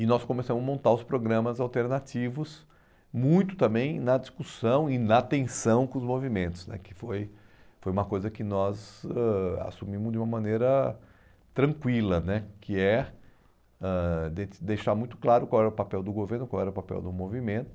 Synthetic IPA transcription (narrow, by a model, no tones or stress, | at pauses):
ɪnɔskõmesɐ̃mʊzmõnt̪aɾʊspɾoɡɾɐ̃mɐzawt̪eɾnat͡ʃivʊs | mũj̃t̪ʊ̥t̪ɐ̃mbẽj̃nɐd͡ʒiskusɐ̃w̃ɪnɐt̪ẽsɐ̃w̃kõʊzmovimẽnt̪ʊ̥znɛ̰kɪ̥foj | fojũmɐkojzɐkɪnɔzɛa̰sumĩmʊzd̪d͡ʒɪũmɐmɐ̃neɾɐ | t̪ɾɐ̃ŋkwilɐnɛkʰɪɛ | ɛd̪ed̪ejʃaɾmũj̃t̪ʊ̥klaɾʊkwawɛɾɐʊpapɛwd̪ʊɡoveɾnʊkwawɛɾɐʊpapɛ̰wd̪ʊmovimẽnt̪ʊ̥